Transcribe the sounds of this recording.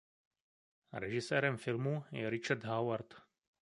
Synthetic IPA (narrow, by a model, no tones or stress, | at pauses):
ɾɛʒɪsɛːɾɛmfɪlmujɛ̰ɾɪt͡ʃaɾt̪ɦawaɾt̪